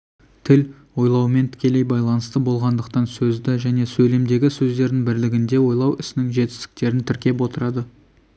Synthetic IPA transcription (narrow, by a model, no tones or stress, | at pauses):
t̪ʰɪl | wo̞jlˠɑwme̞nt̪ʰɪ̥kʲe̞le̞jbɑjlˠɑnəst̪əbo̞lˠʁɑnd̪əqt̪ɑnsɵzd̪ɪʒæne̞sɵle̞md̪e̞ɡʲɪsɵzd̪e̞ɾd̪ɪŋbɪɾlɪɡʲɪnd̪e̞wo̞jlˠɑwɪsɪnɪŋʒe̞t̪ɪ̥st̪ɪ̥k̚t̪e̞ɾɪnt̪ʰɪɾkʲe̞p̬wo̞t̪əɾɑd̪ə